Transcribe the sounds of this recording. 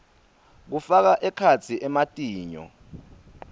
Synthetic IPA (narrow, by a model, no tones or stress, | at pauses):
k̬ufak̬aʔɛkʰat͡sʰiʔɛmatʼiːɲɔ̰